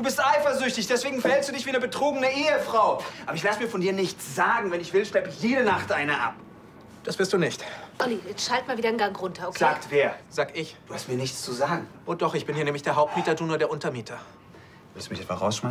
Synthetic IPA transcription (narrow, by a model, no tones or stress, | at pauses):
d̥uːbɪstʔaɪfɐzʏçtɪçd̥ɛsv̥eːɡŋ̩fɐhɛlstd̥uːdɪçv̥iːnəbətʁ̥oːɡənəʔeːəfʁ̥aʊʔaːbɐɪçlasmiːɐfɔndiːɐnɪçt͡sz̥aːɡŋ̩vɛnɪçv̥ɪlʃlɛpəjeːɾənaχtʔaɪnəʔa̰p | d̥asv̥ɪɐstd̥uːnɪçtʔɔnijɛt͡sʃalt̚maːlviːdɐnɡaŋʁʊntɐkʰlaːktv̥eːɐz̥aːɡəɪçd̥uːhastmiːɐnɪçt͡st͡suzaːɡŋ̩ʔoːdɔχɪçb̥ɪnhiːɐɛmlɪçd̥eːɐɦaʊp̚t̚miːtɐtʰuːnɐdeːɐʔʊntɐmiːtʰɐ | vɪstumɪçɛtva̰ʁa̰ʊsʃmaɪ